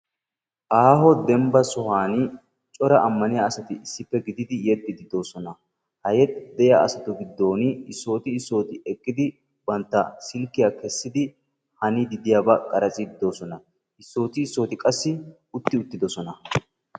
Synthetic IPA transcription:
ʔaːɦɔd̪ɛmbɐsɔhaːnɪ | t͡ʃʼɔɾɐʔɐmːɐnɪjaɐsɐt̪ɪɪsːɪpːɛɡɪd̪ɪd̪ɪjɛt̪ːɪd̪ɪd̪o̞ːsɔnɐ | hɐjɛt̪ːd̪ɛjaʔɐsɐt̪ʊɡɪd̪ːo̞ːnɪɪsːo̞ːt̪ɪɪsːo̞ːt̪ɪʔɛkʼːɪd̪ɪ | bɐnt̪ːɐsɪlkːɪjaːkɛsːɪd̪ɪ | hɐnɪd̪ɪd̪ɪjaːbɐkʼɐɾɐt͡sʼɪd̪ɪd̪oːsɔnɐ | ɪsːo̞ːt̪ɪːsːo̞ːt̪ɪkʼɐsːɪ | ʊt̪ːɪʊt̪ːɪd̪ɔsɔnɐ

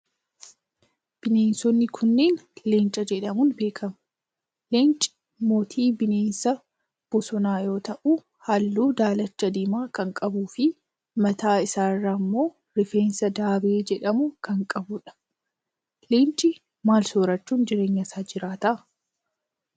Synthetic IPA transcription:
b̥ɪneːnsɔnːɪkʰʊnːeːnleːnt͡ʃʼɐd͡ʒɛᶑɐmʊnbe̞ːkʰɐmɐ̥ | leːnt͡ʃʼɪ̥ | moːt̪ʰiːbɪneːnsɐ | b̥ɔsɔnaːjo̞ːt̪ɐʔu | hɐlːuːd̪aːlɐt͡ʃːɐd̪iːmaːkɐŋkʼɐbuːfɪ | mɐt̪aːɪsaːrːaːmːo̞ː | ɾɪfe̞ːnsɐd̪aːbɪeːd͡ʒɛᶑɐmʊkɐŋkʼɐbʊᶑɐ̥ | leːnt͡ʃʼɪ | maːlsoːɾɐt͡ʃːuːnd͡ʒɪɾe̞ːɲːɐsaːd͡ʒɪɾaːt̪ɐʔ

